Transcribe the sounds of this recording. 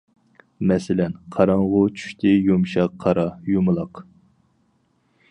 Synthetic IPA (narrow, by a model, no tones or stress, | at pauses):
mɛsɪlɛnqʰɑɾɑɴʁʊt͡ʃʰy̥ʃt̪ʰɪjumʃɑqʰːɑɾɑjumɨlˠɑq